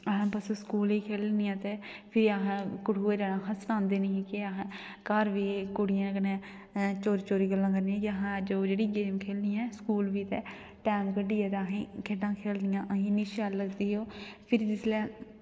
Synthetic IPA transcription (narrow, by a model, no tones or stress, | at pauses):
əɦãːbəsoskuːliːkʰeːlnɪjãːt̪eːpʰɪɾiaɦãːkʊʈʰuːeːd͡ʒaːɽãːɦəstãːnd̪eːniːkɪəɦː | kaɾʋiːkʊɽɪjãːkəneː | t͡ʃoːɾiːt͡ʃoːɾiːɡəlːãːk̬əɾniãːkəɦãd͡ʒoːd͡ʒeːɽiːɡeːmkʰeːlniːɛ̃ːskuːlʋiːt̪ɛː | ʈɛːmkəɖiːɛ̃ːt̪eəɦĩːkʰeːɖãːkʰeːld̪ɪjãːʔəɦĩːniːʃaːlləɡd̪iːɦoːpʰɪɾd̪ɪslɛː